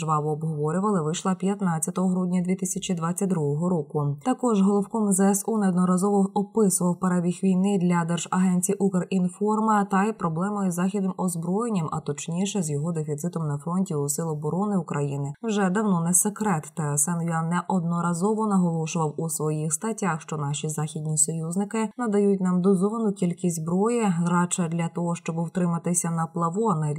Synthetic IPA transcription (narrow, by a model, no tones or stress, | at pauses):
ʒʋɑʋɔːbɦɔʋɔɾʲʊʋɐlˠɪʋɪʃlˠɐpʲjɐt̪nɑt͡sʲːɐt̪ɔɦɔɦɾudʲnʲɐd̪ʲʋʲit̪ɪsʲɐt͡ʃid̪ʋɑt͡sʲːɐt̚ʲd̪ɾuɦɔɦɔɾɔkʊt̪ɐkɔʒɦɔlˠɔwkɔmzɛɛsunɛɔd̪nɔɾɐzɔʋɔɔpɪsʊʋɐwpɐɾɐʋʲixʋʲijnɪd̪lʲɐd̪ɛrʒ̥ɐɦɛnʲt͡sʲijʔukerinfɔrmɐt̪ɐjpɾɔblˠɛmɔjzːɑxʲid̪nɪmʔɔzbɾɔjenʲːimɐ̰t̪ɔt͡ʃnʲiʃɛzjɔɦɔd̪efʲit̪sɪt̪ɔmnɐfɾɔnʲtʲiusɪlˠɔbɔɾɔnɪʊkɾɐjinɪwʒɛd̪ɐwnɔnɛsekɾɛt̪ːɛsɛnʲianɛʔɔd̪nɔɾɐzɔʋɔnɐɦɔlˠɔʃʊʋɐwusʋɔjixst̪ɐtʲaxʃt͡ʃɔnɑʃʲizɑxʲid̪ʲnʲisɔjuznɪkɪnɐd̪ɐjutʲnɑmd̪ɔzɔʋɐnʊkʲilʲkʲisʲzbɾɔjɛɾɑt͡ʃɛd̪lʲɐt̪ɔɦɔʃt͡ʃɔbɪwt̪ɾɪmɐt̪ɪsʲɐnɐplˠɐʋɔnɐ